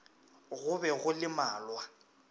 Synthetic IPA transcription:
ɣʊbɛɣʊlɪmaːlwa

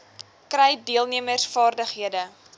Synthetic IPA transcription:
krɛjdiəlˠniəmərsfɑːrdəχɦiədə

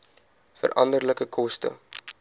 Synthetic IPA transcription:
fə̰rʔɐndərləkəkʰɔstə̰

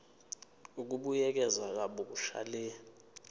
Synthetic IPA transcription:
uk̬uɓujɛk̬ɛzak̬aɓok̬uʃa̰lɛː

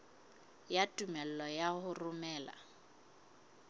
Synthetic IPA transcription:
jatʼumɛl̩lɔjahʊrʊmɛːla̰

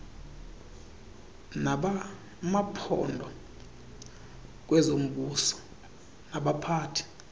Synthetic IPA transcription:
naɓa | mapʰɔ̰ndʱɔ | k̬wɛzom̩ɓusɔ̥ | naɓapʰaːtʰi̥

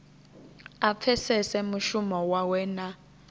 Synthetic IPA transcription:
ap̪fʰɛsɛsɛmuʃumɔwawɛːna

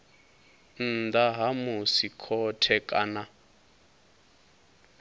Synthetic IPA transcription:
n̩d̪aɦamusikʰɔtʰɛkʼana

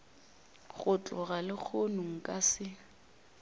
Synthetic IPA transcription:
ɣʊt͡ɬʼɔɣalɪk͡xʰonʊŋ̩kʼasɪ

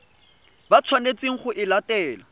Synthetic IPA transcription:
bat͡sʰwanet͡sʼiŋ̩χʊʔɪlatɛːla

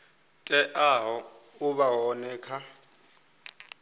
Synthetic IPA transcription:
tʼɛʔaɦɔ | uβawɔnɛːkʰa

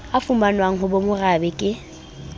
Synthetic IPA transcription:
afumbanwaŋ̩ɦʊbomʊrabɛkʼɪ

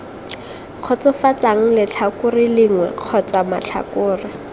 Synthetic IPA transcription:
q͡χʰɔt͡sʊfat͡saŋ̩lɪt͡ɬʰakʊrɪlɪŋwɛ̰q͡χʰɔt͡sama̰t͡ɬʰa̰kʊːrɪ

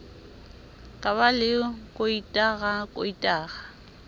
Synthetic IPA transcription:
kʼaβalɪkʼoitʼaɣakʼoitʼaːɣa

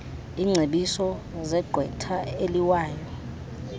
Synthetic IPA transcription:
iːŋ͡ǀʱeɓisɔ | zɛɡ͡ǃʱwɛtʰaeliwaːjɔ

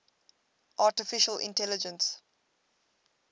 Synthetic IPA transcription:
ʔaːtəfɪʃəlɪ̰̃ntɛlɪd͡ʒə̃ns

